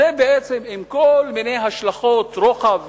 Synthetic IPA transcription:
ebeet͡se̞mimko̞lmine̞jɦaʃlaχo̞t̪ʁoχav

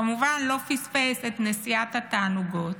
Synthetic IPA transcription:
ɐmuvanlɔfispɛsɛt̪nɛsjat̪at̪anuɡɔt̪

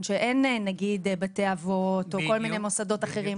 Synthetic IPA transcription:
nʃeʔe̞nnaɡid̪beteavo̞to̞ko̞lmine̞jmo̞sado̞taχe̞ʁi

